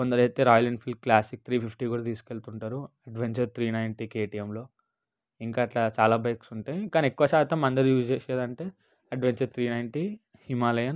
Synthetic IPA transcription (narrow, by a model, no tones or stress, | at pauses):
kond̪ɐɾɦɐt̪ːeːɾaːjɐleɳɖpʰilkklaːsik̚t̪ʰɾiːpʰipʰʈiːkuːɽat̪iːsu̥ke̞ɭt̪uɳʈaːɾuɐɖʋeɲt͡ʃɐɾt̪ʰɾiːnɐjnʈikeːʈijemlo̞ː | iŋkaːʈlaːt͡ʃaːlaːbɐjksuɳʈeːkaːniekːuʋɐʃaːt̪ɐmɐnd̪ɐɾijuːd͡ʒeːseːd̪ɐɳʈe̞ː | ɐɖʋeɲt͡ʃɐɾt̪ʰɾiːnɐjɳʈi | himaːlɐjɐn